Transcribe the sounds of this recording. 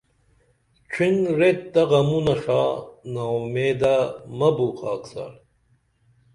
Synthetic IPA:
t͡ɕʰinɾet̪̚d̪ɐʁɐmunɐʂaːnawmeːd̪amɐbuqɑːksa̰ɾ

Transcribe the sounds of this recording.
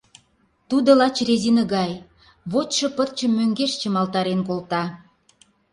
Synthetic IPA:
t̪ud̪ŏlɑt͡ɕrezinə̆ɡɑj | βot̪ʃɤ̆pər̚t͡ɕə̆mːøŋɡeʃt͡ɕĕmɑlt̪ɑɾenkolt̪ɑ

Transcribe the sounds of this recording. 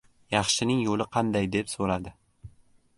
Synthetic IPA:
jɑχʃɪnɪŋjolˠɪqʰɑnd̪ajd̪e̞psoɾad̪ɪ

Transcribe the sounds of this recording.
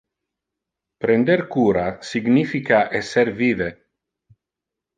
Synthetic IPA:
pɾend̪eɾkuːɾasiɡnifikaʔesːeɾviːve

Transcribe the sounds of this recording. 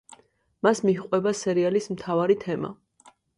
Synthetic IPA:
masmiɦqʼwɛbasɛɾialismt̪ʰavaɾit̪ʰɛma̰

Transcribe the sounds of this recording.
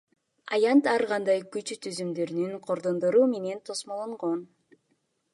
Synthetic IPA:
ɑjɑnt̪ɑɾʁɑnd̪ɑjkyt͡ʃt̪ʰyzymd̪øɾynyŋqʰo̞ɾd̪ond̪ɯɾuːme̞ne̞nt̪ʰo̞smolˠoɴʁo̞n

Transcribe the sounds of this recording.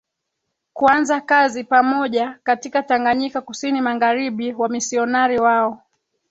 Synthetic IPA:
kuanzakazipamɔʄakatikataŋɡaɲikakusinimaŋɡaɾiɓiwamisiɔnaɾiwaɔ

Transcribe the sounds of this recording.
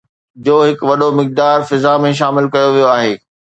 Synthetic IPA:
d͡ʑoːɦɪkʋɐɗomɪk̚d̪aːɾfɪzamẽʃ̬aːmɪlkɐjoʋijoaːɦeː

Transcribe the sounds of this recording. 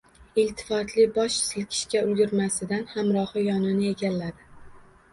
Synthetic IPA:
ɪlt̪ʰɪ̥fɒt̪ʰlɪbɒʃɪsɪlkʲʰɪ̥ʃkʲaʊlɡʲɪɾmasɪd̪anhamɾɒhɨjɒnɪnɪe̞ɡʲalːad̪ɪ

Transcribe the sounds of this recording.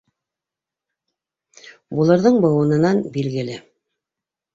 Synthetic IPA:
bulˠɤ̆ɾðɤɴbɤ̆wɤ̆nɤ̆nɑnbilɡɘ̆lɘ

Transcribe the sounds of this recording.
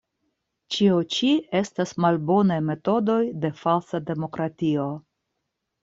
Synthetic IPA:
t͡ʃiot͡ʃie̞stasmalbo̞najme̞to̞do̞jde̞falsade̞mo̞kɾatio̞

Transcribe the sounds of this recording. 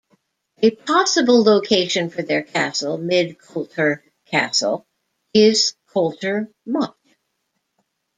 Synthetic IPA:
ɨp̚ʰɑsəbl̩ˠloʊkʰeɪʃɨ̃nfə˞ðə˞kʰæsl̩ˠmɪd̚kʰolˠtə˞ | kʰæ̰sl̩ˠ | ɪz̥kʰʌlˠtə˞ | mʌ̃

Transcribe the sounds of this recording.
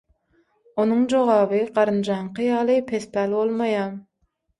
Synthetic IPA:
onɨŋd͡ʒoʁɑːvɨqɑɾɨnd͡ʒɑɴqʰɨjɑːlˠɨpʰespælbolˠmɑjɑm

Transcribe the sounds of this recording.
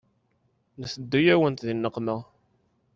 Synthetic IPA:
nəθəd̪ːujæwənt̪ðinːəqməʁ

